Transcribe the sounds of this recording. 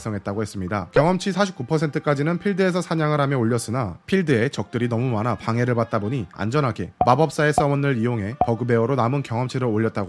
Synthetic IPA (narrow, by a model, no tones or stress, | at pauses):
s͈ʰʌŋɦe̞t̚t͈aɡohe̞s͈ɯmɲidakjʌŋɦʌmt͡ɕʰisʰaɕʰip̚k͈upʰʌsʰe̞ntʰɯk͈ad͡ʑinɯnpʰiɭdɯe̞sʰʌsʰaɲaŋɯɾɦamjʌoʎːʌs͈ɯnapʰiɭdɯe̞t͡ɕʌk̚t͈ɯɾinʌmumanapaŋe̞ɾɯɭbat̚t͈aboɲia̰nd͡ʑʌnɦaɡe̞mabʌp̚s͈ae̞s͈ʰʌʌnɯɾijoŋɦe̞pʌɡɯbe̞oɾonamɯnkjʌŋʌmt͡ɕʰiɾɯɭoʎːʌt̚t͈aɡo